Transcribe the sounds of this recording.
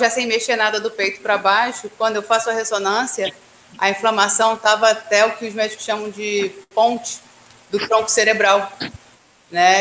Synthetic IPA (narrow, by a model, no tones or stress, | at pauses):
ʒasẽj̃meʃenad̪ɐd̪ʊpejt̪ʊ̥pɾɐbajʃʊkwɐ̃d̪ʊewfasʊɐɦesonɐ̃siɐ | ɐĩflɐmasɐ̃w̃t̪avɐat̪ɛʊkɪʊzmɛd͡ʒikʊ̥sʃɐ̃mɐ̃w̃d͡ʒɪpõt͡ʃɪ̥ | d̪ʊt̪ɾõkʊ̥seɾebɾaw | nɛ